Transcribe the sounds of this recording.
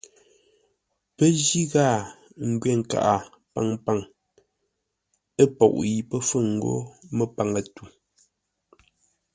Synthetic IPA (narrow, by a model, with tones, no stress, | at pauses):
pə˦d͡ʒi˦ɣaː˦˨ | ŋ̩˨ɡɥɛ˦˨ŋ̩˨ka̰˦˨ʔa˨ | pa˦˨ŋpa˦˨ŋ | ə˦pɔ̰˨ʔji˨pə˦fə˦˨ŋ̩˨ɡo̰˦mə˦˨pa˨ŋə˨tu˨